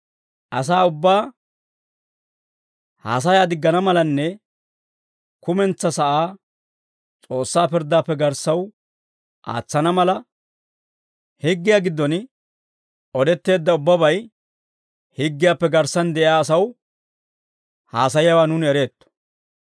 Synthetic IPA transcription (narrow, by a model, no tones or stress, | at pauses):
ʔɐs̬aːʊbːaː | ha̰ːs̬ɐjaːd̪ɪɡːɐnɐmɐlɐnːɛ | kʊmɛnt͡sːɐsɐʔaː | t͡sʼo̞ːsːaːpɪɾd̪ːaːpːɛɡɐɾsːɐw | ʔa̰ːt͡sːɐnɐmɐlɐ | hɪɡːɪjaːɡɪd̪ːɔn | ɔd̪ɛt̪ːe̞ːd̪ːɐʊbːɐbɐj | hɪɡːɪjaːpːɛɡɐɾsːɐnd̪ɛʔɪjaːsɐw | haːs̬ɐjjawaːnʊnɛɾe̞ːt̪ːɔ̥